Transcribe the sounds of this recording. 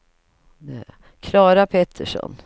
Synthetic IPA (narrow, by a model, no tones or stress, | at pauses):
d̪ɛ | kʰlɑːɾapʰet̪ʰːəʂɔ̰n